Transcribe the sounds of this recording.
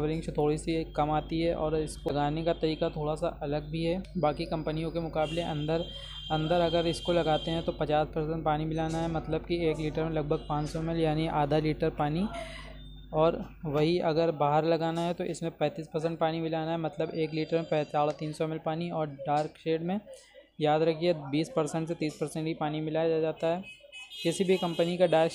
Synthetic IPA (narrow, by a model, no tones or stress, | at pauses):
ʋəɾɪ̃ŋɡt͡ʃt̪ʰoːɽisekɐmaːt̪iɦɛʔɔ̰ːɾɪskoɡaːnekat̪ɐɾiːkat̪ʰoːɽasa̰ʔɐləɡ̚bʱiɦɛbaːkikɐ̃mpənijõkemʊkaːbleʔɐ̃nd̪əɾ | ɐ̃nd̪əɾɐɡəɾɪskolɐɡaːt̪eɦɛ̃t̪opɐt͡ʃaːspɐɾsə̃ɳɖ̚paːnibɪlaːnaɦɛmɐt̪ləbkieːkliːʈəɾmẽlɐɡ̚bʱəɡ̚pãːt͡ʃsɔmɪljaːniʔaːd̪ʱaliːʈəɾpaːni | ɔːɾ | ʋɐɦiɐɡəɾbaːɦəɾlɐɡaːnaɦɛt̪oʔɪsmẽpɛ̃ːt̪iːspɐɾs̬ə̃ɳʈpaːnimɪlaːnaɦɛmɐt̪ləbeːkliːʈəɾmẽpɛ̃ːt̪aːlat̪iːnsɔmɪlpaːniɔːɾɖaːɾkʃeːɖmẽ | jaːd̪ɾɐkʰiebiːspɐɾsɛ̃ɳʈset̪iːspɐɾsɛ̃ɳʈbipaːnimɪlaːjad͡ʒad͡ʒaːt̪aɦɛːkɪsibʱikɐ̃mpənikaɖaːɾk